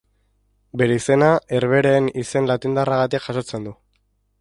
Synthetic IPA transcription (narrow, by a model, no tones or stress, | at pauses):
be̞ɾe̞ise̞nae̞ɾβ̞e̞ɾeːnise̞nlat̪ind̪araɣat̪ikʝaʃo̞t͡se̞nd̪u